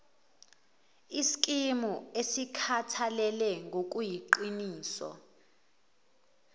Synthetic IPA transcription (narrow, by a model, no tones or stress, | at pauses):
isi̥kʼimuesikʰatʰalɛlɛŋɡʱok̬ʼujiǃiniːsɔ̰